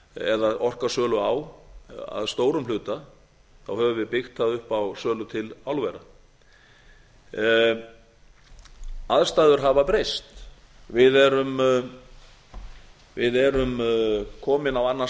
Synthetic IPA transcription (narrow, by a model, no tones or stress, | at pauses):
ɛ̰ðaðɔr̥kasœːlʏaw | a̰ðst̪oːwɾʏmlʏːt̪a | θawhœːvʏvɪðpɪxt̪aðʏhpawsœːlʏt̪ʰɪlawlvɛɾa | aðst̪aːðʏɾɦavapɾejst̪ | vɪðɛɾʏm | vɪðɛɾʏmkʰɔːmɪnawanːa